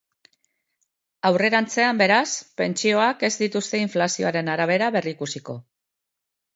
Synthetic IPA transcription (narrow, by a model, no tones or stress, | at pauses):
awre̞ɾant͡se̞ambe̞ɾaspe̞nt͡ʃio̞ake̞zd̪it̪ust̪e̞iɱflasio̞aɾe̞naɾaβ̞e̞ɾaβe̞riːkusiko̞